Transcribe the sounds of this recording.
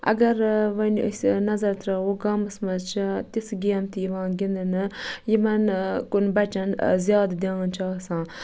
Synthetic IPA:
ɐ̰ɡɐɾʋɐn̰sʲnɐzɐɾt̪ɾɐɦoɡaːmɨsmɐt͡ʃʰt̪isɡiɐmt̪ijiʋãːnɡind̪ɐnɨjimɐnkunbɐt͡ʃɐnzjaːd̪d̪ent͡ʃaːsãː

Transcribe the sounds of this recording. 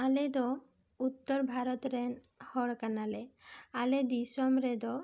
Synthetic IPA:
aled̪ɔ | ut̪ːɔɾbʱaɾɔt̪ɾɛn | hɔɽkanalealed̪isɔmɾed̪ɔ

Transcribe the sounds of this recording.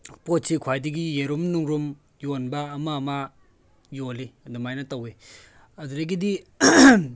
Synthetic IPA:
pot̚sikʰwajdiɡijeɾumnuŋɾum | jonbɐːmɐːma | jolidumajnɐtɐwe | ɐduɾeɡidi

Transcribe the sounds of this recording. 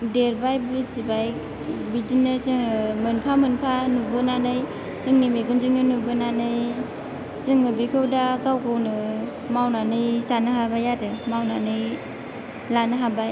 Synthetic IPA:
deɾbajbɯsibaj | bidinɯsɯŋɯmɯnpʰamɯnpʰanubɯnanɯj | sɯŋnimekunziŋnɯnubɯnanɯj | sɯŋɯbikʰɯwdakawkʰɯwnɯ | mawnanɯjsanɯɦabajadɯmawnanɯj | lanɯɦabaj

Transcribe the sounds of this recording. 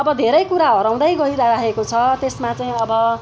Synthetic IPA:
ʌbʌd̪ʱeɾʌjkuɾaɦʌɾaw̃d̪ajɡʌiɾaɾaɦekot͡sʰʌt̪esmat͡saj̃ʌbʌ

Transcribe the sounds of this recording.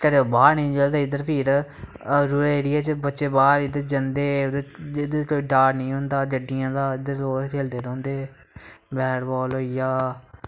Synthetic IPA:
k̪əɽebaːɾnĩːd͡ʒəld̪eːɪd̪əɾpʰiːɾ | ɾuːɾeːɾɪːɛːt͡ʃəbətːʃeːbaːɾɪd̪əɾd͡ʒənd̪eːd̪eɪd̪əɾkoːiːɖaːɾnĩːɦõnd̪aːd͡ʒəɖɪjãːd̪aːɪd̪əɾoːeːld̪eːɾə̃ːnd̪eː | bɛːɾbɔːlɦoːijaː

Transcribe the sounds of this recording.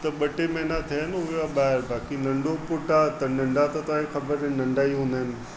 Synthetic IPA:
t̪ɐɓɐʈemenat̪ʰinʊɦaɓaːɪɾbaːkinɐ̃ɳɖopʊʈat̪ɐnɐ̃ɳɖat̪ɐt̪ãːẽxɐbəɾnɐ̃ɳɖaːiɦũnd̪aːɦɪnɪ̆

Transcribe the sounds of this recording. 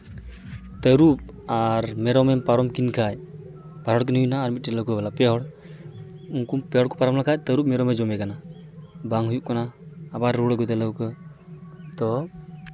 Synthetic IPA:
t̪əɾup̚ | aɾmɛɾɔmɛmpaɾɔmkinkʰaj | paɾɔɽk̬əniɦujnaːɾmit̚tɛləwkɯbalapɛɦɔɽ | uŋkumpɛɦɔɽkɔ̥paɾɔmlakʰaj̚t̪əɾup̚mɛɾɔmɛd͡ʒɔmɛkanabaŋɦujuʔkanaːbaɾːuɽɔɡɔjt̪ɛləwkɯ | t̪ɔ

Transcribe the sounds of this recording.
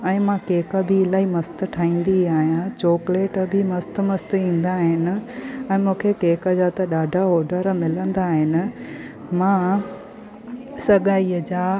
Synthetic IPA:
ɛ̃ːmãkeːkəbʱɪːlaːɦimɐst̪ə̆ʈʰaːĩːn̆d̪iaːɦijãt͡ɕoːkleːʈbʱɪmɐst̪̆mɐst̪ĩːn̆d̪aːɦɪnɪ̆ɛ̃ːmũːkʰekeːkəd͡ʑaːt̪ɐɗaːɖʱaoːɾɖʱəɾmɪlə̃nd̪aːɦɪnɪ̆ | mã | sɐɠaːiəd͡ʑaː

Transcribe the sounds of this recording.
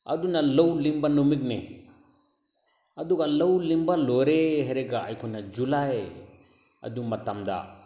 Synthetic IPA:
ɐ̰d̪unalɐwlimbanumikne | ɐd̪ukalɐwlimbaloɾeɦeɾeɡaa̰jkʰunad͡ʒulae | ɐ̰d̪umɐt̪amd̪a̰

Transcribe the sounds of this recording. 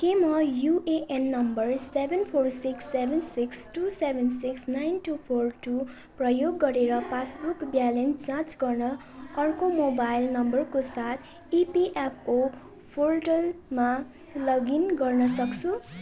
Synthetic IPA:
kemʌjuʔeʔenːʌmbʌrsebʱenpʰorsiksːebʱensiksʈusebʱensiksnajnʈupʰorʈu | prʌjoɡːʌɾeɾʌpasbukbjalensd͡zãt͡sɡʌrnʌ | ʌrkomobajlnʌmbʌrkosat̪ʰ | ipiʔepʰo | pʰorʈʌlma | lʌɡinɡʌrnʌsʌkt͡sʰu

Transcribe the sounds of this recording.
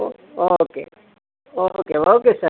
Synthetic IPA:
okḛ | okeokesɐ

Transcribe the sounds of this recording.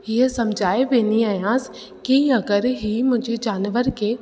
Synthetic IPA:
ɪɦsɐmd͡ʒʱaːebeːniaːjãːs | kiɐɡəɾɦimʊ̃d͡ʒʱed͡ʒaːnʋəɾke

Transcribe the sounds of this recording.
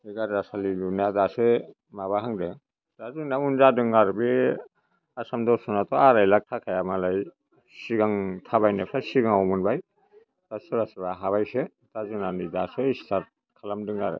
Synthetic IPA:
iɡaɾasalilunadasɯ | maβaɦaŋdɯ | d̥azunamunzadɯŋaɾbe | asamdɔsɔnatʰɔaɾajlak̚tʰakʰajamalaj | siɡaŋtʰaβajnepʰasiɡaŋɔmunbaj | tasɯɾasɯbaɦaβajse | tʰazunanidasɯistaɾ | kʰalamdɯŋaɾɯ̰

